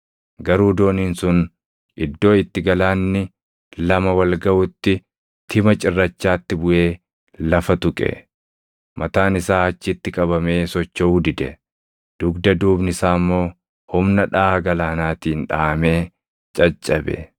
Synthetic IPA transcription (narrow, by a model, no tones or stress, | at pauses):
ɡɐɾuːd̪o̞ːniːnsʊn | ʔɪd̪ːo̞ːɪt̪ːɪɡɐlaːnːɪ | lɐmɐwɐlɡɐʔʊt̪ːɪ | t̪ʰɪmɐt͡ʃʼɪrːɐt͡ʃːaːt̪ːɪbʊʔe̞ː | lɐfɐt̪ʊkʼɛ̰ | mɐt̪aːnɪsaːɐt͡ʃːɪt̪ːɪkʼɐbɐme̞ːsɔt͡ʃːɐʊːd̪ɪd̪ɛ | d̪̥ʊɡd̪ɐd̪uːbnɪsaːmːo̞ː | hʊmnɐᶑaːɡɐlaːnaːt̪iːnᶑaːɐme̞ː | t͡ʃʼɐt͡ʃʼːɐbɛ̰